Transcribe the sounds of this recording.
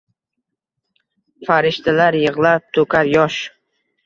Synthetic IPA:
faɾɪʃt̪ʰalaɾjɨʁlap̚t̪ʰɵkʰaɾjɒʃ

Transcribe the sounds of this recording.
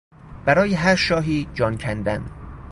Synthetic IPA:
b̥æɾɒːjeɦæɾʃɒːɦiːd͡ʒɒːncʰænd̪æn

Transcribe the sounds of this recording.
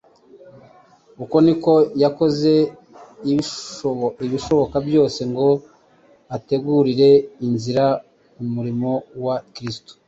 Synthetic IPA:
uko̞niko̞jako̞ze̞ | iβiʃo̞βo̞kabjo̞ːse̞ŋɡo̞ | ate̞ɡuɾiɾe̞inziɾa | umuɾimo̞wakɾistu̥

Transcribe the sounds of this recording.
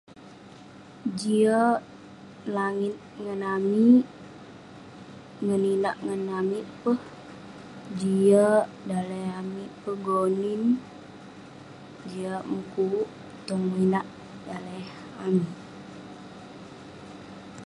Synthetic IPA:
d͡ʒiə | laŋɪt̪̚ŋənami | ŋəninaʔŋənamiʔpəh | d͡ʒiə | daləamipəɡonin | d͡ʒiəmukuʔ | t̪uŋinaʔ | dalə | ami

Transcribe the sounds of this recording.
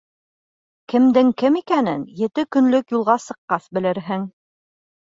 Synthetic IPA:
kɘ̆md̪ɘŋkɘmikænɘ̰njɘ̆t̪ɘkɵ̆nlɵkjulˠʁɑsɤ̆qːɑθbɘ̆lɘ̆ɾɦɘŋ

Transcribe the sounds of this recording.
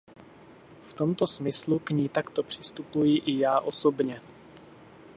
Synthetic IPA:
ft̪o̞mt̪o̞smɪslukɲiːt̪akt̪o̞pr̝̥ɪst̪upujɪʔɪjaːʔo̞so̞bɲɛ

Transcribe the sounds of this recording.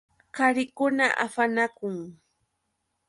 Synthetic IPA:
kaɾɪkʊnaʔa̰fanakʊŋ

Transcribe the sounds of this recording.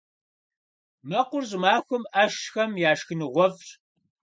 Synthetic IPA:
mɐqʷʊrzmaːxʷʊmʔɐʃxɐmjaːʃxɨnɨʁʷɔvɕ

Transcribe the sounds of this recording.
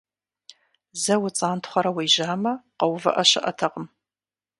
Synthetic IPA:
zɐwʊt͡sʼaːntʰχʷɐɾɐwejʒaːmɐqɐwvɐ̰ʔɐɕɐ̰ʔɐ̰tʰɐqəm

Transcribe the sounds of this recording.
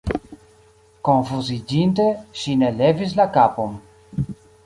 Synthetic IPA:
ko̞nfuzid͡ʒint̪̬e̞ʃinelevis̬lakapo̞m

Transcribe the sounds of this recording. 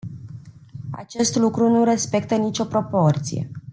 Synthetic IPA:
a̰t͡ʃe̞st̪lukɾunuɾe̞spe̞kt̪ənit͡ʃʲo̞pɾo̞po̞rt̪sije̞̰

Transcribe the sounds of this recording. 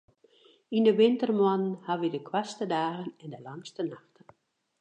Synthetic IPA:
indəʋɪntərmwɔnənhaʋidəkʰwastədaːɣənɛndəlaŋstənaxtən

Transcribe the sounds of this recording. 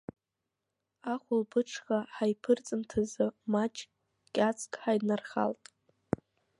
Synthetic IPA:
aχʷʊlbɨʈ͡ʂʰχaħajpʰɨrt͡sʼɨmtʰazɨmat͡ʃʰʼ | kʲʼat͡sʰkʼħajdnarχa̰ltʼ

